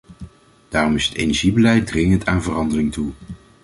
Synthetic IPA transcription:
d̥aːrɔmɪsə̥tḛjnɛɹʒibəlɛjt̚drɪŋəntaːnvərɑndərɪŋtu

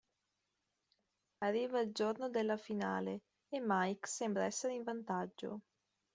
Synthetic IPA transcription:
arːiːvald͡ʒornod̪elːafina̰ːleː | mːajksɛmbɾaɛsːeɾeiɱvant̪ad͡ʒːo̰

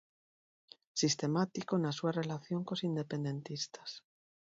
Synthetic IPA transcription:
sist̪e̞mat̪ikonasuare̞laθjo̞ŋkosind̪e̞pẽ̞nd̪e̞nt̪ist̪ḁs

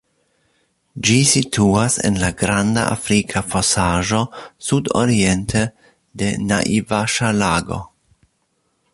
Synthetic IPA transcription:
d͡ʒisitʰuasḛnlaɡɾanda̰ʔa̰fɾikʰafosaʒo̞sudo̰ɾie̞ntʰe | de̞na̰ʔivaʃalaɡo̰

